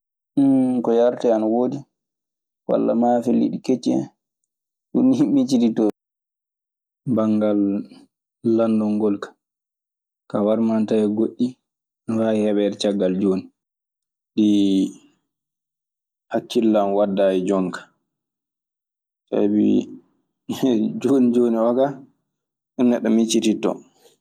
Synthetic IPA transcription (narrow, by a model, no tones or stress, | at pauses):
kɔjaɾtɛanawoːdi | wa̰lːa̰mafelːḭɗiket͡ʃːɛ̰ | ɗunːihimːit͡ʃiditɔ | baŋɡalː | andɔŋɡɔlkḁ | kawaɾmantaɛɡoɗːi | ɾajihɛɓɛɾt͡ʃaɡːald͡ʒoːni | ɗi | hakːilːamwadːajid͡ʒɔŋkḁ | sa̰bḭ | d͡ʒonid͡ʒoniwaka | ʔunːaɗɔmit͡ʃititɔ̰